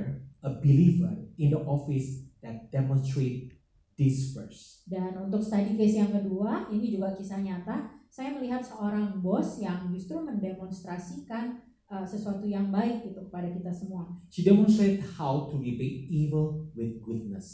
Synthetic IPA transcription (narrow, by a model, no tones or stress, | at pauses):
əbilivə̰rɪ̃ndəʔɔfɪsd̥ɛt̪̚d̥ɛmɔnst̪ɾet̚ | d̥isfə̰rs | danunt̪ʊkst̪adikesjaŋkəduainid͡ʒuɡakisaɲat̪asajaməliɦat̪̚səʔoɾaŋbɔsjaŋd͡ʒust̪ɾuməndemɔnst̪ɾasikan | ʔəsəsuat̪ujaŋbaɪkit̪ukə̥padakit̪asəmuaʃidɛmɔ̃nst̪ɾett̚hawtuɾipet̚ivəlwɪθ̚ɡud̚nəs